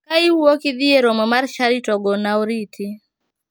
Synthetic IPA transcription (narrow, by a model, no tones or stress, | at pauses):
kaiwokɪd̪ieɾɔmɔmarʃaɾitɔɡɔnaɔɾitʰi